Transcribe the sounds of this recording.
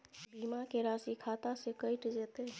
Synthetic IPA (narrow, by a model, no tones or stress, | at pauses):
bʱimakeɾasikʰat̪asekəjʈd͡ʒet̪e